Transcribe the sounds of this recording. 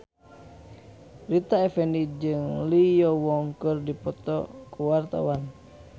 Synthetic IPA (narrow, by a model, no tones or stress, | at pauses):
rit̪aɛfɛnid͡ʒɨŋlijɔwɔŋkɨrdipɔt̪ɔ̰kuwart̪a̰wan